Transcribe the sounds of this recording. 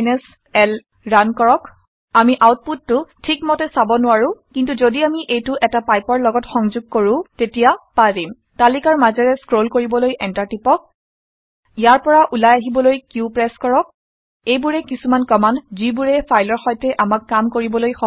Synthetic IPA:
nɛs | ɛl | ɹankɔɹɔk | amiʔawt̚putːʊtʰikmɔtɛsabɔnʊwaɹʊ̃kintuzodiamiʔejtʊʔɛtapajpɔɹlɔɡɔtxɔŋzʊɡ̚koɹʊ̃tetijapazim | talikaɹmazɔɹɛskɹolkoɹibɔlojʔɛntaɹtipɔk̚ | ijaɹpɔɹaʔulajaɦibɔlojkupɹɛskɔɹɔk̚ | ejbuɹɛkisumankɔmandzibuɹɛpʰajlɔɹxɔjtɛʔamakːamkoɹibɔlojxɔ

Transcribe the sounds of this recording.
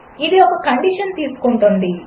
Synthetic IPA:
id̪iɔkɐkɐɳɖiʂɐnt̪iːsu̥koɳʈund̪i

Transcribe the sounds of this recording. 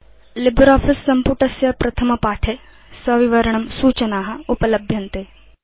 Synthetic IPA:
lɪbɾɔːpʰɪsːɐmpuʈɐsjɐpɾɐt̪ʰɐmɐpaːʈʰe | sɐʋɪʋɐɾəɳ̃ɐmsuːt͡ʃɐnaːɦɐʊpɐlɐbʱjɐ̃nt̪eː

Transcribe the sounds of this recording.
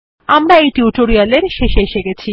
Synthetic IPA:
amɾaejʈiuʈoɾialeɾʃeʃeeʃeɡet͡ɕʰi

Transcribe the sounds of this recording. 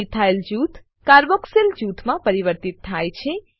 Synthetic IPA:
it̪ʰaeld͡ʒut̪ʰ | kaɾbɔkseld͡ʒut̪ʰmãpəɾiʋəɾt̪it̪ʰːajt͡ʃʰe

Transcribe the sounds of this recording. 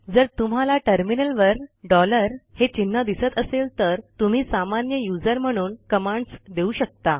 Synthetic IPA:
d͡zəɾt̪um̤alaʈəɾminəlʋəɾɖɔləɾhet͡ɕinːəd̪isət̪əselt̪əɾt̪um̤iːsamanjəjud͡zəɾm̤əɽ̃uːnkəmaɳɖsd̪euɕək̚t̪a

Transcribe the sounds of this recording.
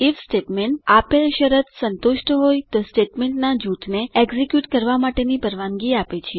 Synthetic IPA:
ifsʈeʈmeɳʈ̚apeʃəɾət̪sənt̪uʃʈɦojt̪osʈeʈmeɳʈnad͡ʒut̪ʰneeɡzekjuʈkəɾʋamaʈenipəɾʋãŋɡiapet͡ʃʰe

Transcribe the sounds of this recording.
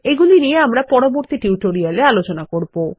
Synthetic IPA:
eɡulinieamɾapɔɾoboɾt̪iʈuwʈoɾialealot͡ɕonakoɾbo

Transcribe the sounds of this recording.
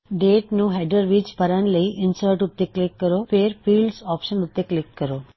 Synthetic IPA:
ɖeːʈnũːɦeɖəɾʋiːd͡ʒpəɾanləiʔɪnsəːɾʈʊt̪ːeklɪkːəɾopeːɾpiːlɖsɔːpʃənʊt̪ːeklɪkːəɾoː

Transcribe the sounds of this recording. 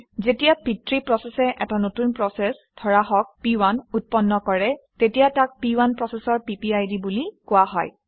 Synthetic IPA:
zetijapitɹipɹɔsɛsɛʔɛtanotunpɹɔsɛsdʰɔɹaɦɔk̚piwanut̚pɔnːɔkɔɹɛtetijatak̚piwanpɹɔsɛsɔɹpipiajdibulikʊwaɦɔj

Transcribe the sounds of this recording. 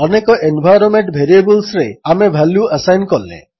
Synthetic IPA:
ɔnekɔʔenbʱajɾɔnmeɳʈbʱeɾiebulsɾeamebʱaluəsajnkɔlḛ

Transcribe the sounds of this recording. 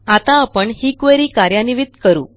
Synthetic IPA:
at̪ãːpəɳhikʋeɾiːkaɾjaniʋid̪kəɾṵː

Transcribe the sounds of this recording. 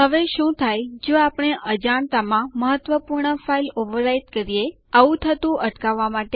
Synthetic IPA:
ɦəʋeʃũt̪ʰajd͡ʒoapɽ̃eʔəd͡ʒaɳt̪amãməɦət̪ʋəpuɾɳəfailoʋəɾait̪kəɾie | aʋũt̪ʰət̪ũʔəʈkaʋːamaʈe

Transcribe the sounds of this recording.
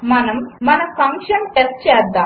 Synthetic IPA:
mɐnɐmːɐnɐmsɐŋkʂɐmʈest͡ɕeːd̪ːaː

